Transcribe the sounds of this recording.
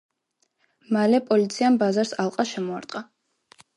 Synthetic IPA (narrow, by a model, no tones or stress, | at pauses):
malɛpʼɔlit̪sʰiambazaɾsalˠqʼaʃɛmɔaɾt̪ʼqʼa